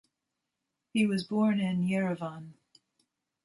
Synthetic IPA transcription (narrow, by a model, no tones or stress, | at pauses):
hiwʌzbɔɹnɪ̃njɛɹɨvɑ̃n